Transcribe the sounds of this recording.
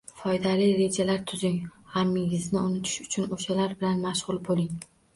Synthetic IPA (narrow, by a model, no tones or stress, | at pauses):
fɒjd̪alijɾe̞d͡ʒalaɾt̪ʰʊzɪŋhamːɪɡʲɪznɪʊnɪt̪ʰɪ̥ʃʊ̥t͡ʃʰʊnoʃalaɾbɪlanmaʃʁʊlˠbolɪŋ